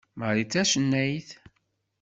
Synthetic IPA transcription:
məɾit͡sːæʃənːæjθ

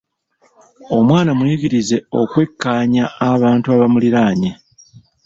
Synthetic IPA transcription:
o̞mwaːnamuiɡiɾize̞o̞̰kwe̞kːaːɲaːβaːntuaβamuliɾaːɲe

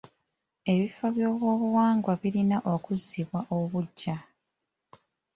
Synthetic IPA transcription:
e̞βifoβjo̞ːβwo̞ːβuwaːŋɡwaβiɾinaʔo̞kuzːiβwaʔoβuɟːa

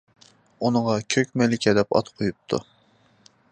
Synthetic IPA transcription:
unəŋɑkʲʰøkʲmɛlɪkʲʰɛd̪ɛpɑ̰t̪qʰojup̚t̪ʰṵ

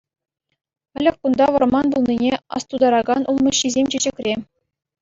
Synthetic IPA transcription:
ɘ̆lʲɘ̆kʲkund̪ɑʋɤ̆rmɑnbulˠnʲinʲeɑ̰st̪ud̪ɑɾɑɡɑnulˠmɤ̆ɕːizʲemʲt͡ɕed͡ʑɘ̆kʲrʲe

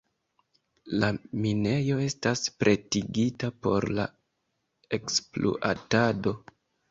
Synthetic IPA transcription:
lamine̞jo̞e̞staspɾʔe̞tiɡitapo̞̰ɾla̰ | eksplo̰ʔa̰tado̞

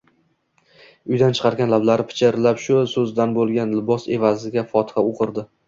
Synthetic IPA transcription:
ʊjd̪ant͡ʃʰɨ̥qʰɑɾɡʲanlablaɾɪpʰɪ̥t͡ʃʰɪɾɪlapʃʊsɵzd̪anbolˠɡʲanlɪbɒse̞vazɪɡʲafɒt̪ʰɪ̥haoqʰɨɾd̪ɪ

